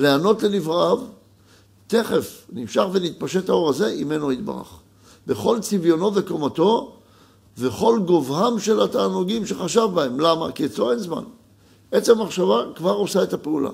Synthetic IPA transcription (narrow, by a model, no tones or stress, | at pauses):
le̞ano̞t̪le̞nivʁaav | t̪e̞χe̞fnimʃaχve̞nit̪̚paʃe̞thao̞ʁaze̞ime̞noit̪̚ba̰ʁa̰χ | be̞χo̞lt͡sivjo̞no̞veko̞mato̞ | ve̞χo̞lɡo̞vhamʃe̞lataːnuɡimʃe̞χaʃavbae̞mlama̰kiet͡soenzma̰n | ʔet͡semaχʃavakvaʁo̞sae̞t̪apeula̰